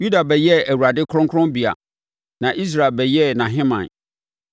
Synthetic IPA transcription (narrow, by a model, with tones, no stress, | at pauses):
ju˦da˨bɛ˨jɛ˦æ˨wu˨ɾa˨dɪ˦kʰɾʊ̃˦ŋkʰʊ̃˦mbi˨a̰˨ | nã˨ʔi˦s̬ɾa˨e˨bɛ˨jɛ˦nã˨ɦɪ̃˦mã̰˨n